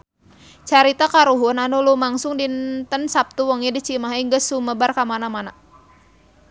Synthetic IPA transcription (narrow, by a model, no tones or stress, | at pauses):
t͡ʃaɾit̪akaɾuɦʊnanulumaŋsʊŋdint̪ənsap̚t̪uwɔŋidit͡ʃimaɦaiŋɡəsuməbarkamanamana